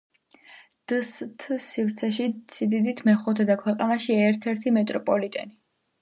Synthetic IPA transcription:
d̪̥ɨst̪ʰsivɾt̪sʰɛʃisʰid̪id̪it̪ʰmɛχut̪ʰɛd̪akʰwɛqʼanaʃiɛɾt̪ʰɛɾt̪ʰimɛt̪ʼɾɔpʼɔlit̪ʼɛ̰ni

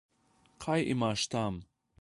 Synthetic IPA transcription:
qʰajʔḭmaʃt̪am

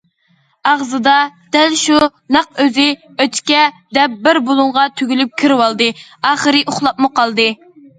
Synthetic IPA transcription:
ɑʁzɨd̪ɑd̪̥ɛlʃunɑq̚øzɪ | øt̪ʰkʲɛd̪ɛp̚bɪɾbolˠuŋʁɑt̪ʰyɡʲylyp̚kʲʰiɾwɑlˠd̪ɨɑːχəɾɨʔoχlˠɑpmuqɑlˠd̪ɨ

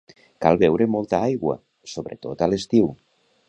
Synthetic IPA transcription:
kalˠβɛwɾemolˠt̪aajɣwa̰ | soβɾḛt̪ot̪alest̪iw

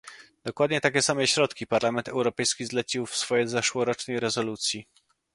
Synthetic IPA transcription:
d̪ɔkwad̪ɲɛt̪akʲɛsamɛɕɾɔt̪kʲipaɾlamɛnt̪ɛwɾɔpɛjskʲizlɛt͡ɕiwfsfɔjɛzaʂwɔɾɔt͡ʂnɛjɾɛzɔlut̪sʲji

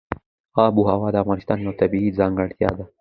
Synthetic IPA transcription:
ɑbuɦawɑd̪əavʁɑnɪst̪ɑːnjawt̪abiizɑːŋɡəɽt̪jɑ̰d̪a

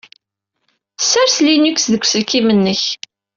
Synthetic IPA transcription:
sːæɾslinuksðəkʷːsəlkːimənːəç

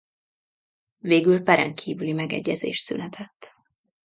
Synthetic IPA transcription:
veːɡylpɛɾɛ̰ŋkʰiːvylimɛɡɛ̰ɟːɛzḛːʃt̪sy̰nɛt̪ʰɛt̪ː

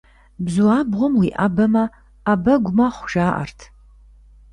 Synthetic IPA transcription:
bzuaːbʁʷɔmwiːʔabɐmɐː | bɐɡʷʊmɐχʷʊʒaːʔa̰rtʰ

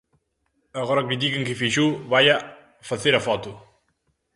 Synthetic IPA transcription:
ɐɣɔɾɐkit̪̬ikeŋkifiʒuβaja | fɐθeɾɐfɔt̪u

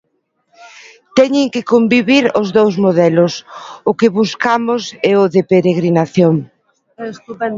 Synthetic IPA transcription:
t̪ɛɲɪŋkɪkombiβiɾʊzðowzmoðɛlʊsʊkɪβuskamʊsɛʊðepeɾeɣɾinaθjoŋ | st̪uɛ

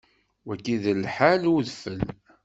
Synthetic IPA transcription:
wækːiðəlħaluðfəl

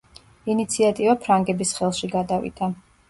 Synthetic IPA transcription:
init̪sʰiat̪ʼivapʰɾaŋɡɛbisχɛlˠʃiɡad̪avḭd̪̥a

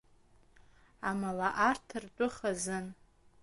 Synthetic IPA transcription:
amalaʔartʰɨrtʷʼʊχazɨn

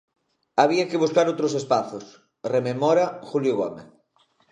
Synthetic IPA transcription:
aβ̞iakɪβuskaɾowt̪ɾosespaθos | rememɔɾaxuljoɣɔ̰mḛθ

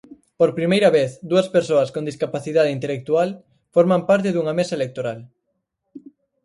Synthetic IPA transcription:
poɾpɾimejɾɐβeθd̪uɐspeɾsoɐskond̪iskapaθiðaðeint̪elek̚t̪ual | foɾmampaɾt̪̬eðuŋɐmesaɐelek̚t̪oɾal

